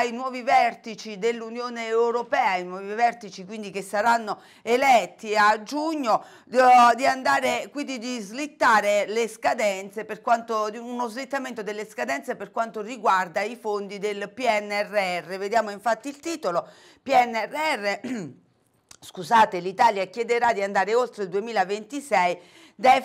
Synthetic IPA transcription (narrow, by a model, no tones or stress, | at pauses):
ainwɔːvivɛrt̪it͡ʃid̪elːunjoːneɛwɾopɛːainwɔːvivɛrt̪it͡ʃikwind̪ikesːaɾanːo | elɛt̪ːiad͡ʒuɲːo | d̪iand̪aːɾekwind̪id̪izlit̪ːaːɾeleskad̪ɛnt̪seperkwant̪ounozlit̪ːament̪od̪elːeskad̪ɛnt̪seperkwant̪oriɡward̪aifond̪id̪elpiɛnːɛrːeɛrːeved̪jaːmoiɱfat̪ːiːlt̪iːt̪olo | piɛnːɛrːeɛrːe | skuzaːt̪elit̪aːljakjɛd̪eɾad̪iand̪aːɾeolt̪ɾeld̪uemiːlavent̪isɛj | d̪ɛ